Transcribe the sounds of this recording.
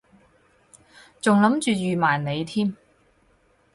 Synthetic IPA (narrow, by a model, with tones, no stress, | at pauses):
t͡sʊ˨ŋlɐ˨˥mt͡ʃyː˨jyː˨˩maː˨˩jne˨˧jt̪ʰiː˥m